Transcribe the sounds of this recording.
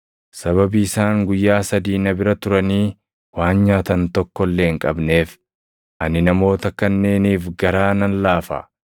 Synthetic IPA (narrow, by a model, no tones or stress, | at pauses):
sɐβɐbiɪsaːŋɡʊjːaːsɐd̪iːnɐbɪɾɐt̪ʊɾɐniː | waːnɲaːt̪ɐnt̪ɔkːɔlːe̞ːŋkʼɐbne̞ːf | ʔɐnɪnɐmo̞ːt̪ɐkɐnːe̞ːniːfɡɐɾaːnɐnlaːfɐ̰